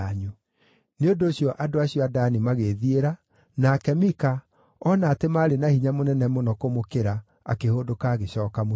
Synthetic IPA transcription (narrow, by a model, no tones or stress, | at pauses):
ɲu | neondoːɕjɔʔadoaɕjɔadanimaɣeðieɾa | nakɛmika | ɔnaːtemaːɾenahiɲamonɛnɛmonɔkomokeɾa | a̰kehodokaːɣeɕɔːkamo